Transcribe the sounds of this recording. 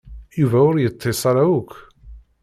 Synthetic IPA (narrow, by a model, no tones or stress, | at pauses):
juvæʊɾjət̪ˤʰːesˤɑɾaʊkː